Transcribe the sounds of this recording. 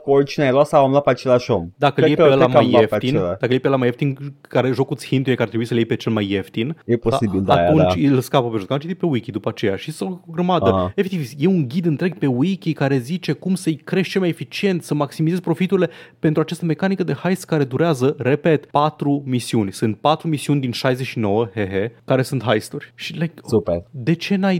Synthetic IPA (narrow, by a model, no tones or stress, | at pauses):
kort͡ʃineajlatsawamlat̪̚peat͡ʃelaʃomd̪akəleeelamajeft̪ielad̪akəljepelamajeft̪inkaɾe̞ʒo̞kut̪sʲhint̪ujekaɾt̪ɾebuisəljepe̞t͡ʃe̞lmajːe̞ft̪injeposibild̪a̰t̪unnt͡ʃilskapəpe̞ʒot̪kat͡ʃit̪jepe̞wikʲid̪upat͡ʃe̞ja̰ʃist̪ooɡɾəmad̪əefekt̪ivje̞uŋɡʲid̪ɨnt̪ɾe̞ɡ̚pe̞wikʲikaɾe̞zit͡ʃe̞kumsəɨjkɾe̞ʃt͡ʃe̞lmajefit͡ʃie̞nt̪səmaksimize̞zpɾo̞fit̪uɾilepe̞nt̪ɾuat͡ʃast̪əme̞kanikəd̪e̞hajskaɾe̞d̪uɾeazəɾe̞pe̞t̪pat̪ɾumisiunʲsɨnt̪̚pat̪ɾumisiunʲd̪inʃajzeʃino̞wəheɦekaɾe̞sunt̪ɦajst̪urʲʃilajkued̪e̞t͡ʃe̞naj